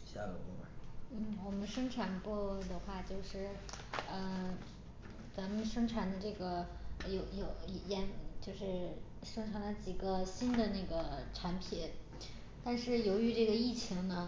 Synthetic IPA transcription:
ɕa̰˥˧ln̩˥˩wɔ˨˩mə˦nʂɤ˥ŋʈ͡ʂʰa˨˥npɔ˥˩d̪ə˩xwa˥˩t͡ɕjo˥˧ʊʂɻ̩˥˩ | ə˧ | t͡sa˧˥mə˧nʂɤ˥ŋʈ͡ʂʰa˧˥nd̪ə˧ʈ͡ʂɤ˥˩ɡə˩jo˧˩ʊjo˨˩ʊi˧˩jɛ˧˥nt͡ɕjo˥˧ʊʂɻ̩˥˩ | ʂɤ˥ŋʈ͡ʂʰa˧˥nlə˧˩t͡ɕi˨˩ɡə˦ɕi˥nd̪ə˨ne˥˩ɡə˩ʈ͡ʂʰa˧˥npʰi˨˩˦n | t̪a˥˧nʂɻ̩˥˩jo˧˥ʊy˧˥ʈ͡ʂɤ˥˩ɡə˩i˥˩t͡ɕʰi˧˥ŋnə˧

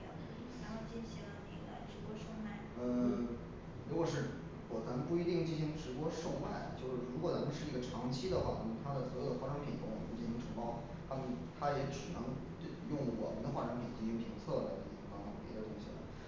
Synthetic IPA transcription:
t͡ɕi˥˩ɕi˧˥˧a̰˧˩ʈ͡ʂɻ̩˧˥pwɔ˥ʂo˥˩ʊma˨˩ə˧ | ɻu˧˥kwɔ˨˩ʂɻ̩˥˩ | wɔ˨˩t͡sa˧˥mə˧npu˥˧i˧˥t̪i˥˧ŋt͡ɕi˥˧nɕi˧˥ŋʈ͡ʂɻ̩˧˥pwɔ˥ʂo˥˩ʊma̰˨˩˦ɪt͡ɕjo˥˧ʊʂɻ̩˥˩ɻu˧˥k̬wɔ˨˩t͡sa˧˥mə˧ʂɻ̩˥˧i˥ɡə˩ʈ͡ʂʰɑ˧˥ŋt͡ɕʰi˥d̪ə˨xwa˥˩nə˥˩mə˧˩t̪ʰa˥d̪ə˨swɔ˧˥jo˥˩d̪ə˧xwa˥˩ʈ͡ʂɑ˥ŋpʰi˨˩nk̪o˥˩ŋwɔ˨˩˨u˥˩t͡ɕi˥˩i˧˥ŋʈ͡ʂʰɤ˧˥ŋpɑ˥ʊ | t̪ʰa˥mə˨nt̪ʰa˥jɛ˧˥ʈ͡ʂɻ̩˨˩nɤ˧˥ŋ˥ | jʊ˥˩ŋwɔ̰˨˩mə˦nd̪ə˧xwa˥˩ɻɑ˥ŋpʰi˨˩nt͡ɕi˥˧˥ɕi˥ŋpʰi˧˥ŋt͡sʰɤ˥˩lə̰˩˧˩i˥˩˥kɑ˥ŋn˧˥˩pjɛ˧˥ə˧t̪ʊ˥ŋɕḭ˨˩lə̰˨˩˦

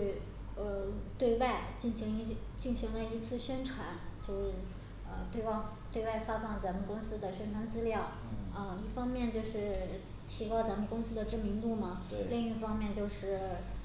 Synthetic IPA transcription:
ə˧t̪we˥˧ɪwa˥˧ɪt͡ɕi˥˩nɕi˧˥ŋi˧˥ | t͡ɕi˥˩nɕi˧˥ŋlə˧i˧˥t͡sʰɹ̩˥˩ɕɥɛ˥nʈ͡ʂʰwa˧˥nt͡ɕjo˥˧ʊʂɻ̩˥˩ | ə˧t̪we˥˧ɪwt̪we˥˧ɪwa˥˩ɪfa˥fɑ˥˩ŋt͡sa˧˥mə˨˧nkʊ˥ŋsɹ̩˥d̪ə˨ɕɥɛ˥nʈ͡ʂʰwa˧˥nt͡sɹ̩˥ljɑ˥˩ʊ | ə˧i˥˩fɑ˥ŋmjɛ˥˧nt͡ɕjo˥˧ʊʂɻ̩˥˩ | t͡ɕʰi˧˥kwɑ˥˩ʊt͡sa˧˥mə˧nkʊ˥ŋsɹ̩˥d̪ə˨ʈ͡ʂɻ̩˥˩mi˧˥ŋt̪u˥˩mɐ˩ | li˥˧ŋi˥˩fɑ˥ŋmjɛ˥˧nt͡ɕjo˥˧ʊʂɻ̩˥˩

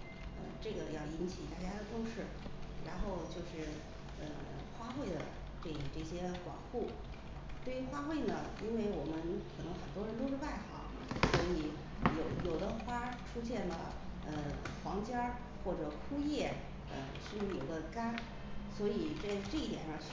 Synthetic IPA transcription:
ə̰˧ʈ͡ʂɤ˥˩ɡə˩jɑ˥˩ʊi˧˥nt͡ɕʰi˨˩t̪a˥˩t͡ɕja˥d̪ə˨t̪ʊ˥˧ŋʂɻ̩˥˩ɻa˧˥nxo˥˧ʊt͡ɕjo˥˧ʊʂɻ̩˥˩ | ə̰˧ | xwa˥xwe˥˩ɪd̪ə̰˩ | ʈ͡ʂɤ˥˩ɡə˨˩ʈ͡ʂɤ˥˩ɕjɛ˥kwɑ̰˨˩ŋxu˥˩ | t̪we˥˩ɪy˧˥xwa˥xwe˥˩ɪnə˩i˥nwe˥˩ɪwɔ˨˩mə˦nkʰɤ˨˩nɤ˧˥ŋxə˨˩nt̪wɔ˥ɻə˧˥nt̪o˥ʊʂɻ̩˥˧pa˥˩ɪxɑ̰˧˥˦ŋ | swɔ˧˥i˧˥ | jo˨˧˥ʊjo˨˩ʊd̪ə˦xwa˥ʈ͡ʂʰu˥ɕ̬jɛ˥˩nlə̰˩ | ə˧xwɑ˧˥ŋt͡ɕjɑ˥ | xwɔ˥˩ʈ͡ʂɤ˨˩kʰu˥jɛ˥˩ | ə̰˧ʂ̩˥˧˥jo˨˩ɡ̪ə˧ka˥n | swɔ˧˥i˨˩ʈ͡ʂa˥˧ʈ͡ʂɤ˥˧i˥˩t̪jɛ̰˨˩nɑ˥˧

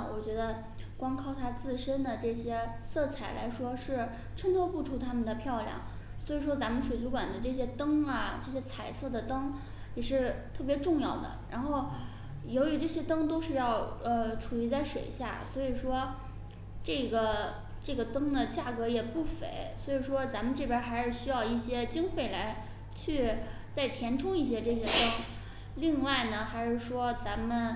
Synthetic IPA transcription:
wɔ˨˩t͡ɕɥɛ˧˥d̪ə˧ | kwɑ˥ŋkʰɑ˥˩ʊt̪ʰa˥t͡sɹ̩˥˩ʂə˥nd̪ə˨ʈ͡ʂɤ˥˩ɕjɛ˥sɤ˥˩t͡sʰa˨˩ɪlʔa̰˧˥ɪʂwɔ˥ʂɻ̩˥˩ | ʈ͡ʂʰə˥ŋt̪ʰɔ˥pu˥˩ʈ͡ʂʰu˥˩t̪ʰa˥mə˨nd̪ə˩pʰjɑ˥˧ʊljɑ̰˥˩ŋ | swɔ˧˥i˨˩ʂ̬wɔ˥t͡sa˧˥nmə˨nʂwe˨˩ɪt͡su˧˥kwa̰˨˩nd̪ə˦ʈ͡ʂɤ˥˩ɕjɛ˥t̪ɤ˥ŋɐ˨˩ʈ͡ʂɤ˥˩ɕ̬jɛ˥t͡sʰa˨˩ɪsɤ˥˩d̪ə˩t̪ɤ˥ŋ | jɛ˨˩ʂɻ̩˥˧t̪ʰɤ˥˩p̬jɛ˧˥ʈ͡ʂʊ˥˧ŋjɑ˥˩ʊd̪ə̰˩ɻa˧˥nxo˥˩ʊ | jo˧˥y˧˥ʈ͡ʂɤ˥˩ɕjɛ˥t̪ɤ˥ŋt̪o˥ʊʂɻ̩˥˧jɑ˥˩ʊə˧ʈ͡ʂʰu˨˩i˧˥t͡sa˥˩ɪʂwḛ˨˩ɪɕja̰˥˩swɔ˧˥i˨˩ʂwɔ˥ | ʈ͡ʂɤ˥˩ɡə˩ | ʈ͡ʂɤ˥˩ɡə˩t̪ɤ˥ŋd̪ə˨t͡ɕja˥˩kɤ˧˥jɛ˨˩pu˥˩fḛ˧˥ɪswɔ˧˥i˨˩ʂwɔ˥t͡sa˧˥mə˨nʈ͡ʂɤ˥˩pjə˧˥xa˧˥ɪʂɻ̩˥˩ɕy˥jɑ˥˧ʊi˥˩ɕjɛ˥t͡ɕi˥ŋfwe˥˩ɪla˧˥ɪ | t͡ɕʰy˥˧ | t͡sa˥˩ɪt̪ʰjɛ˧˥nʈ͡ʂʰʊ˥ŋi˥˩ɕ̬jɛ˥ʈ͡ʂɤ˥˩ɕ̬jɛ˥t̪ɤ˥ŋ | li˥˧ŋwa˥˩ɪnə˩xa˧˥ɪʂɻ̩˥˩ʂwɔ˥t͡sa˧˥nmə˨n

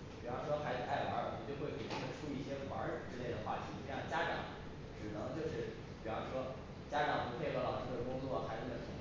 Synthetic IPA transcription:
pʂwɔ˥xa˧˥ɪt͡s̩˧˥a˥˩ɪwa̰˧˥˨ɔ˨˩t͡ɕjo˥˧ʊxwe˥˩ɪpe˨˩ʈ͡ʂi˥d̪ə˨˩ʈ͡ʂʰu˥i˥˧i˥˩ɕjɛ˥wɐ̰˧˥˩ʈ͡ʂɻ̩˥le˥˩ɪd̪ə˩xwa̰˥˩t̪ʰi˨˩˧jɑ˥˩t͡ɕja˥ʈ͡ʂɑ̰˨˧˥ŋ | ʈ͡ʂɻ̩˨˩nɤ˧˥ŋt͡ɕjo˥˧ʊʂɻ̩˥˩ | pi˨˩wʂwɔ˥ | t͡ɕja˥ʈ͡ʂɑ˨˥˩ŋpu˧˥pʰe˥˧ɪxlɑ˨˩ʊʈ͡ʂ̩˥˧˥ə˩kʊ˥ŋt͡swɔ˥˩xa˧˥ɪ˥˧˩ə˨˩i˧˥

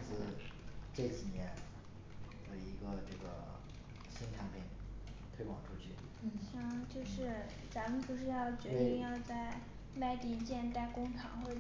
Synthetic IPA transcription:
t͡sɹ̩˥˧ʈ͡ʂe˥˩˧t͡ɕʰi˨˩njɛ˧˥n | jo˨˩ʊi˧˥ɡə˧ʈ͡ʂɤ˥˩ɡə˩ | ɕi˥nʈ͡ʂʰa˧˥npʰi˨˩ŋ | t̪ʰwe˥ɪkwɑ˨˩ŋʈ͡ʂʰu˥t͡ɕʰy˥˩˥ | ɕjɑ˥˩ŋt͡ɕjo˥˧ʊʂɻ̩˥˧ | t͡sa˧˥mə˨npu˧˥ʂɻ̩˥˧jɑ˥˩ʊt͡ɕɥɛ˧˥t̪i˥˧ŋjɑ˥˧ʊt͡sa˥˩ɪ | ma˥˩ɪt̪i˥˩t͡ɕjɛ˥˧nt̪a˥˩ɪkʊ˥ŋʈ͡ʂʰɑ̰˧˥ŋxwɔ˥˩

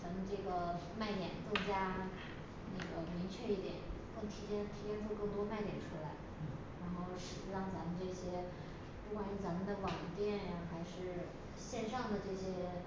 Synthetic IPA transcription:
t͡sa˧˥mə˧nʈ͡ʂɤ˥˩ɡə˩ | ma˥˩ɪt̪jɛ˨˩˦nt͡sʊ˥˩ŋt͡ɕja˥ | na˥˩ɡə˩mi˧˥ŋt͡ɕʰɥɛ˥˧i˥˩t̪jɛ̰˨˩˦nkɤ˥˩ŋt̪ʰi˧˥t͡ɕjɛ˥nt̪ʰi˧˥t͡ɕjɛ˥˧nʈ͡ʂʰu˥˧kɤ˥˩ŋt̪wɔ˥ma˥˩ɪt̪jɛ˨˩nʈ͡ʂʰu˥la˧˥ɪ˩ | ɻa˧˥nxo˥˩ʊʂɻ̩˨˩ɻɑ˥˩ŋt͡sa˧˥mə˧nʈ͡ʂɤ˥˩ɕjɛ˥ | pu˥˩kwa˨˩ny˥˩t͡sa˧˥mə˧nd̪ə˧˩wɑ˨˩ŋ˧˥t̪jɛ˥˩n˨˩xa˧˥ɪʂɻ̩˥˧ | ɕjɛ˥˧nʂɑ˥˩ŋd̪ə˩ʈ͡ʂɤ˥˩ɕjɛ˥

